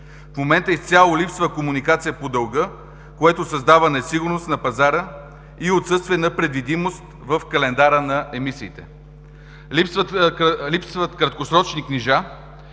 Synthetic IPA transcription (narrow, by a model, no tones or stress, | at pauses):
fmomɛnt̪əist̪sʲalˠolipsvəkomunikat̪sijəpod̪ɐlˠɡɤ | koɛt̪osɐzd̪avənɛsiɡʊɾnost̪nɐpɐzaɾə | iot̪sɤst̪viɛnɐpɾɛd̪vid̪imost̪vəfkɐlɛnd̪aɾənɐʔɛmisiːt̪ɛ̰ | lipsvəlipsvət̪kɾɐt̪̚kosɾɔt͡ʃnikniʒa